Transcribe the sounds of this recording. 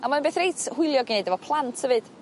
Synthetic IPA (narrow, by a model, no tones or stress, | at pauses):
amaðənbeːθrejtʰhʊɨlˠjɔɡinejdɛvɔpʰlˠantʰhəvɨd̥